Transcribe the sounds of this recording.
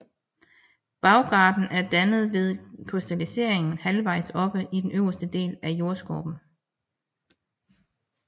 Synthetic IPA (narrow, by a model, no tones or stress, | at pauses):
b̥ɑ̈ʊɡ̥ɑ̈ːd̥n̩æɐd̥ænð̞̩ˠʋe̝ð̞ˠkʰʁisd̥ælise̝̰ɐ̰e̝ŋn̩hælʋɑ̈ɪ̰sɒ̽b̥əʔid̥enøʊɐsd̥əd̥e̝̰ːlæjo̝ɐsɡ̥o̰ːb̥n̩